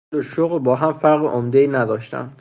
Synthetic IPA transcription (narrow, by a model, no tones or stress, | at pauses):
oʃoɣlbɒːɦæmfæɾɣeʔomd̪eiːnæd̪ɒːʃt̪ʰæ̰n